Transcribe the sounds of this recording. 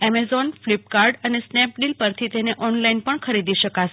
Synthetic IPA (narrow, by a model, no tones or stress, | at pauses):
ɛmezɔnflipkaɾɖənesnɛpɖilpəɾt̪ʰit̪eneʔɔnlainpəɳkʰəɾid̪iʃəkat͡ʃʰ